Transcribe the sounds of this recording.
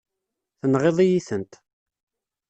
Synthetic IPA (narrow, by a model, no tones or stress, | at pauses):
θənʁeðˤijiθənt̪